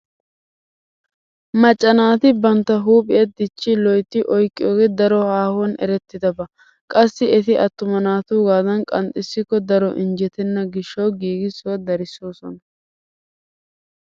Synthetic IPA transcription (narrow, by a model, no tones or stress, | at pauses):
mɐt͡ʃʼːɐnaːt̪ɪbɐnt̪ːɐɦuːpʼɪjɛd̪ɪt͡ʃːɪlɔjt̪ːɪʔɔjkʼːɪjoːɡɛd̪ɐɾɔhaːhɔnɛ̰ɾɛt̪ːɪd̪ɐbɐ | kʼɐsːɪɛt̪ɪʔɐt̪ːʊmɐnaːt̪uːɡaːd̪ɐnkʼɐnt̪ʼɪsːɪkːɔd̪ɐɾɔʔɪnd͡ʒɛt̪ɛnːɐɡɪʃːɐwɡiːɡɪsɔwɐd̪ɐɾɪsoːsɔ̰nɐ